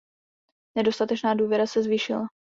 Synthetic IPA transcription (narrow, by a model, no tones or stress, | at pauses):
nɛdo̞st̪at̪ɛt͡ʃnaːduːvjɛɾasɛzviːʃɪla